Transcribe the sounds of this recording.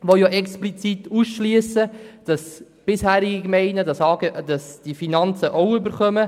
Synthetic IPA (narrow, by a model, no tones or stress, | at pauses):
ʋojoʔɛksplit͡sit̪uːsʃlyəsəd̥ɑs | b̥ɪshæːɾɪɡikmɛɪnədɑsɑɡəd̥ɑsd̥ifinɑnt͡səʔɔʊʏbəɾχœmə